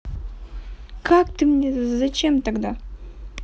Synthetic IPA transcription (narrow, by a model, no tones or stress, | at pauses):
kakt̪ɨmnʲezɐt͡ɕemt̪aɡd̪a